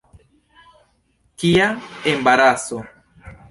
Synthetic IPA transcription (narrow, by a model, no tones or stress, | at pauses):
kiaembaɾaso